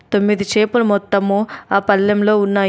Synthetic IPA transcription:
t̪o̞mːid̪it͡ʃeːpulumɔt̪ːɐmuːaːpɐlːɐmlo̞ːunːaː

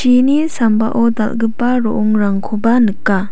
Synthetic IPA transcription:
t͡ʃinisampa̰ʔod̪a̰lɡɯpːaɾoʔɔŋɾaŋkʰobanɯkːa

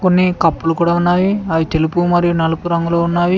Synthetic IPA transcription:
ko̞nːikɐpːulukuːɽaːunːaːjiaːʋit̪e̞lupumɐɾijunɐlɐpuɾɐŋɡulo̞ːunːaːji

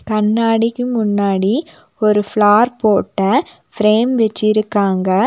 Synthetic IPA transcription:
kɐnːaːɽɪkːɯmʊnːaːɽi | ɔɾɯfɭaːɾpoːʈːɐ | fɾeːmʋɛt͡ʃːɪɾɯkːaːŋɡɐ

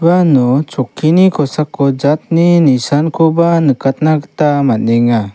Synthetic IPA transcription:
banɔt͡ʃɔkʰːinikʰɔsakːɔd͡ʒat̪̚ninisankʰɔbanɯkat̪̚naɡt̪amanɛŋa

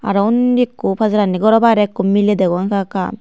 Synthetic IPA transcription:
a̰ɾɔwndikːupʰazaɾanːiɡɔɾɔbaɾɛkːumiled̪eɡaŋkʰaka̰

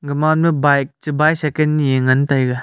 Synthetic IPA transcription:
ɡɐmanmɐbajk̚t͡ʃibajsekenːijeŋɐntajɡa

